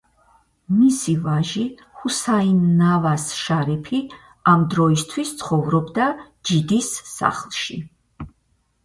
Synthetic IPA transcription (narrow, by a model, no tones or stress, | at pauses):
misivaʒi | husainːavasʃaɾipʰi | amd̪ɾɔist̪ʰwist̪sʰχɔvɾɔbd̪a | d͡ʒid̪isːa̰χlˠʃḭ